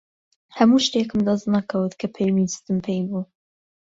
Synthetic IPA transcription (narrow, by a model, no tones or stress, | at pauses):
hɐmuːʃt̪eːkɨmd̪ɐznɐkʰɐwɨt̪kʰɐpʰejmidɨ̥st̪ɨmpʰejbuː